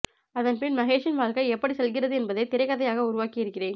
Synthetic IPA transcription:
ɐðɐnpɪnmɐɣeːʈt͡ʃːɪnʋaːɭkɐɪɛpːɐɽisɛlɣɪrɐðɯɛnbɐðɐɪt̪ɪɾɐɪkɐðɐjaːɣɐʊɾʊʋaːkɪjɪɾɯkːɪreːn

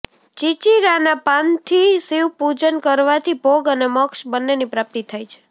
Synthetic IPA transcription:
t͡ʃit͡ʃiɾanapãnt̪ʰisiwpud͡ʒənkəɾʋat̪ʰibʱoɡəneməkʃbənːenipɾap̚t̪it̪ʰajt͡ʃʰe̥

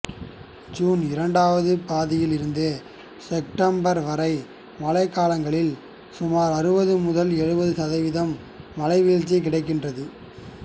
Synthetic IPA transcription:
d͡ʒuːnɪɾɐɳɖaːʋɐðɯpaːðɪjɪlɪɾɯnd̪ɯ | sɛp̚ʈɐmbɐɾʋɐɾɐɪ | mɐlɐɪkːaːlɐŋɡɐɭɪl | sʊmaːɾɐɾɯbɐðɯmʊðɐlɛɻɯbɐðɯsɐðɐʋɪðɐmː | ɐlɐɪʋiːɻt͡ʃːɐk̬ɪɽɐɪk̬ːɪndrɐðɯ

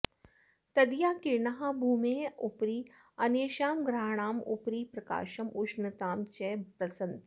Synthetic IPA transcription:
t̪ɐd̪jaːkiɾnɐɦabʱuːmeːupɾiː | ɐneːʃaːmɡɾaːɽ̃aːmupɾiːpɾɐka̰ːʃɐmut͡ʃnɐt̪aːmt͡ʃɛːpɾɐsɐnt̪

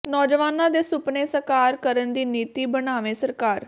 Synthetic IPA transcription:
nɔːd͡ʒʋaːnãːd̪eːsʊpneːsəkaːɾkəɾənd̪iːniːt̪iːbənaːʋẽːsəɾkaːɾ

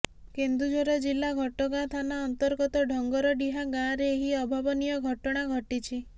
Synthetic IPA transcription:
kend̪ud͡ʒɔɾɔd͡ʒilaɡʱɔʈɔɡat̪ʰanaɔnt̪ɔɾɡɔt̪ɔɖʱɔŋɡɔɾɔɖiɦaɡaɾeːɦiɔbʱabɔnijɔɡʱɔʈɔɽ̃aɡʱɔʈit͡ʃʰi

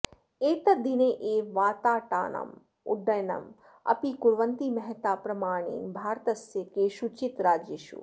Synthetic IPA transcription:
eːt̪ɐd̪ʱineʔeːʋaːt̪aːʈa̰ːnɐ̰m | ṵɖːɐjnɐ̰m | ɐ̰pikuɾʋɐnt̪imɐɦt̪aːpɾɐmaːɳ̃ḛːnbʱaːɾt̪ɐsjɐkeːʃut͡ʃit̪ɾaːd͡ʒjeʃṵ

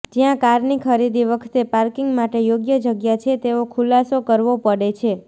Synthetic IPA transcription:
d͡ʒijãkaɾnikʰəɾid̪iʋəkʰt̪epaɾkiŋɡmaʈejoɡjəd͡ʒəɡjat͡ʃʰet̪eokʰulasokəɾʋopəɽet͡ʃʰe

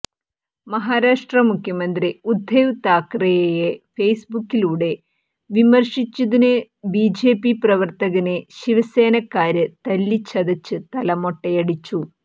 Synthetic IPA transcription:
mɐɦaːɾaːʂʈrɐmukʰjɐmɐnd̪riud̪ʱːeʋut̪aːkrɐjejefejsbukːiluːɽe̞ | ʋimɐrʂit͡ɕːɐðinɨ | biːd͡ʑe̞ːpiprɐʋɐrt̪ɐɣɐneɕiʋɐse̞ːnɐkːaːɾɨt̪ɐlːit͡ɕʰːɐðɐt͡ɕːɨt̪ɐlɐmo̞ʈːɐjɐɽit͡ɕːu

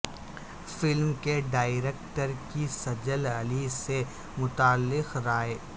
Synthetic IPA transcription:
fɪlmkeɖaːɪɾeːk̚ʈəɾkisɐd͡ʒəlɐlise | mʊt̪aːlːɪqɾaːeː

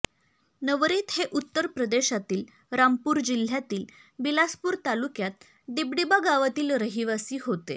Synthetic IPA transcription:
nəʋɾiːt̪heʔut̪ːəɾpɾəd̪eɕat̪iːl | ɾampuːɾd͡ʑil̤jat̪iːlbilaspuːɾt̪alukjat̪̚ | d̪ibɽibaɡaʋat̪iːlɾəɦiʋasiːɦot̪ḛ

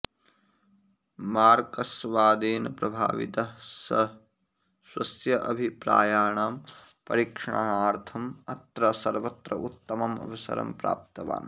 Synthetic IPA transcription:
maːɾkɐsʋaːd̪eːnɐpɾɐbʱa̰ːʋḭt̪ɐ | sʋɐ̰sjɐʔɐbʱipɾa̰ːjaːɳaːm | pɐ̰ɾikʂɐ̰ɳaɦaːɾt̪ʰɐmɐt̪ɾɐsɐɾʋɐt̪ɾɐʔut̪ːɐmɐmɐ̰bʱusɐ̰ɾɐ̰mpɾa̰ːp̚t̪ɐʋa̰ːn

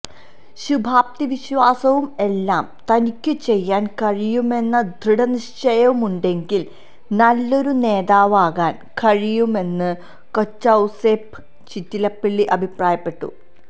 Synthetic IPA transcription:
ɕubʱaːp̚t̪iʋiɕʋaːsɐʋume̞lːaːmt̪ɐnikʲːɨt͡ɕe̞jːaːnkɐɻijume̞nːɐd̪ʱriɽɐniʂt͡ɕɐjɐʋumuɳɖe̞ŋɡil | nɐlːo̞ɾune̞ːðaːʋaːɣaːn | kɐɻijume̞nːɨ | kot͡ɕːɐwseːp | t͡ɕitːilɐpːiɭːiʔɐbʱipraːjɐpːe̞ʈːṵ

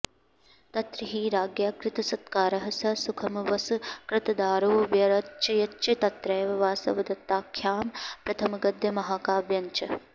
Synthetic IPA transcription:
t̪ɐt̪ɾiɦiːɾaːɡjaːkɾɪt̪ɐsɐt̪kaːɾɐɦɐsɐsukʰɐmɐʋɐsukɾɪt̪ɐd̪aːɾoːʋjɐɾɐt͡ʃɐjɐt͡ʃɐt̪ɐt̪ɾɐjʋɐʋaːsɐ̰ʋɐd̪ɐt̪ːaːkʰjaːmpɾɐt̪ʰɐmɐɡɐd̪jɐmɐɦaːkaːbjɐɲt͡ʃɐ

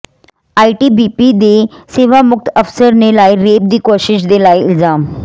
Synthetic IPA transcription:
aiʈibipid̪eseʋamuk̚t̪əfsəɾnelaiɾep̚d̪iːkoɕiɕd̪elaild͡zam

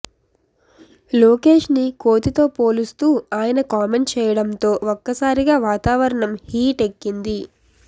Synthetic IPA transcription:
loːke̞ːʂnikoːt̪it̪o̞ːpoːlust̪uːaːjɐnɐkaːme̞ɳʈt͡ʃɛːjɐɽɐnt̪o̞ːɔkːɐsaːɾiɡaːʋaːt̪aːʋɐɾɐɳɐmhiːʈe̞kːind̪i

